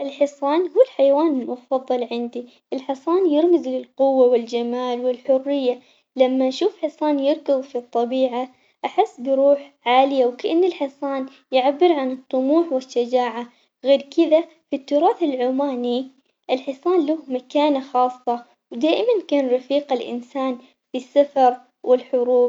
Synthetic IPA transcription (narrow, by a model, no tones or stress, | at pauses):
ʔɪlħɪsˤɑːnhuːɪlħajawaːnɪlmʊfɑðˤːɨlʕɪnd̪i | ʔɪlħɪsˤɑːnjɪɾmɪzlɪlqʊwːawɪld͡ʒamaːlwɪlħʊrːɪjːa | lamːaʔʃuːfħɪsˤɑːnjɪɾkabfit̪ˤːɑbiːʕa | ʔaħɪsːbɪɾuːħʕaːlɪjawkaʔanːɪlħɪsˤɑːn | jɪʕabːɪɾʕanɨt̪ˤːʊmuːħwɪʃːad͡ʒaːʕa | ɣeːɾkɪða | fit̪ːʊɾˤɑːθɪlʕʊmaːni | ʔɪlħɪsˤɑːnlʊhmakaːnaxɑːsˤːɑ | wd̪aːʔɪmankaːnɾˤɑfiːqalʔɪ̰nsaːn | fisːafɑɾˤ | wʔɪlħʊɾuːb